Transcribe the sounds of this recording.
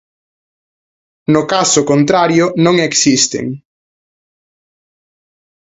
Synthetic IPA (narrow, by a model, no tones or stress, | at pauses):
nʊkasʊkont̪ɾaɾjʊnõŋeksist̪ḛŋ